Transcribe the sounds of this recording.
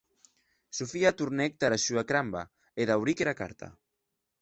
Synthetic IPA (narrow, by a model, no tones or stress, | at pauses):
sufiat̪uɾnɛk̚t̪aɾaʃuakɾamba | eðawɾikeɾaka̰ɾt̪ʰa̰